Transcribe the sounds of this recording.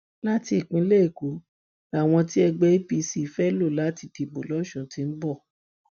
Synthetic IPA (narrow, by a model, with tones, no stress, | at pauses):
la˦ti˧i˨k͡pĩ˨˦le˦i˦˨ko˨˦ | a˦˨w̃ɔ̃˧ti˦ɛ˧ɡ͡bɛ˧˦i˦pi˧si˧˨fɛ˦lo˦˨la˨˦ti˧ti˧bo˨lɔ˨˦ʃũ˨ti˧˦n̩˦bɔ˦˨